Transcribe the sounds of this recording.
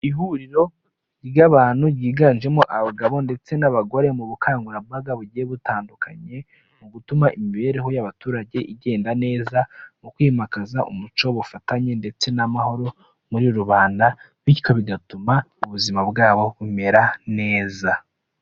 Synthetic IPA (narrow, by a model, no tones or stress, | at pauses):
iɦuɾiɾo̞ | ɟiɡaβaːn̥huɾɟiːɡaːnʒe̞moʔaβaɡaβo̞nde̞t͡se̞naβaɡo̞ɾe̞muβukʰaːŋɡuɾabbaɡaβuɟijeβutaːndukʰaɲe̞ | muɡutumaʔimiβe̞ːɾe̞ɦo̞jaβatuːɾaɟe̞ʔiɟe̞ːndane̞ːzamukwiːmakazaʔṵmut͡ʃo̞βufataɲe̞nde̞t͡se̞namaho̞ɾo̞ | muɾiɾoɾuβaːnda | βiko̞βiɡatumauβuzimabɡaːβo̞βume̞ɾane̞ːza